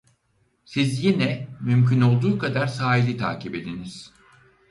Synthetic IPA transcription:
sizjinɛmymcyno̞lˠd̪uːkʰad̪aɾsaːɦilʲit̪ʰa̰ːcʰibe̞d̪iniz̥

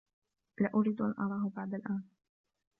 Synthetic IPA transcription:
lɪʔʊɾiːd̪ʔa̰nʔɑɾˤɑːhbaʕd̪alʔaːn

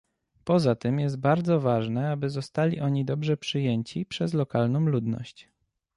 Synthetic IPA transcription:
pɔzat̪ɘmjɛs̬t̪̚baɾd̪zɔvaʐnɛabɘzɔst̪alʲiʔɔɲid̪ɔbʐɛpʂɘjɛɲt͡ɕipʂɛzlɔkalnɔ̃w̃lud̪nɔ̰ɕt͡ɕ

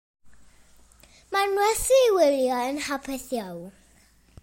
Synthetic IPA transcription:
manwɛθiwɪljɔənhapʰɛθjaw

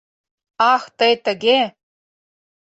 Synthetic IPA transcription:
ɑxt̪ɤjt̪ɘ̆ɡʲe

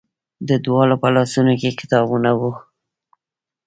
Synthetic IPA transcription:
d̪əd̪wɑlopəlɑsunokekɪ̥t̪ɑbunawu

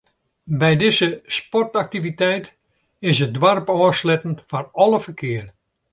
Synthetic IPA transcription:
bɛjdɪzəspɔrtak̚tivitɛjt | ɪsət̚dʋarpɔːslɛtən̩fanɔlˠəfərkʰɪər

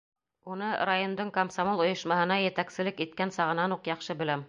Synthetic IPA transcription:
unɤɾajond̪ɤɴkɐmsamolˠŏjɤ̆ʃmɑhɤ̆nɑjɘ̆t̪æksɘ̆lɘkit̪̚kænsɑʁɤ̆nɑnuqjɑχʃɤbɘ̆læm

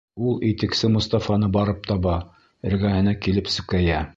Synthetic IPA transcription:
ulˠit̪ɘ̆ksɘmŏst̪ɑfɑnɤbɑɾɤp̚t̪ɑβɑ | ɘ̆ɾɡæhɘ̆nækilɘpsʉkæjæ

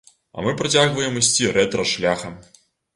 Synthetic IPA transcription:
ɐ̰mɨpɾɐt͡sʲaɣvɐjɛmɨsʲt͡sʲirɛt̪ɾɐʂlʲaxɐ

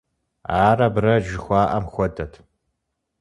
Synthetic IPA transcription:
aːrɐbrɐʒɪxʷaːʔɐmxʷɔdʰɐtʰ

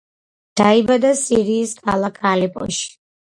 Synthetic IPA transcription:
d̪̥aibad̪asiɾiːskʰalˠakʰalipʼɔ̰ʃi̥

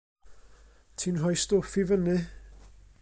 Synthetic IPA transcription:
tʰinɦɔjstofivənɨ

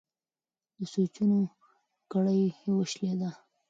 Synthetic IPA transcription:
d̪əsot͡ʃuno | kaɽəjwəʃled̪a

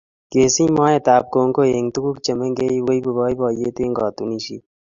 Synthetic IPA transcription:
keːsĩːmãːet̪aːp̚koːŋkoeːŋt̪ukukt͡ʃɐmeŋɡeiwoibɐbaːibaːjeːt̪eːŋɡaːt̪uniːʃḭ

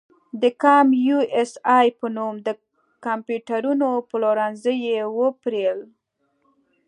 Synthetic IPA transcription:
d̪əkɑmjuesɑjpənumd̪ə | kampjuʈaɾunopəloɾanzəjewəpɾel

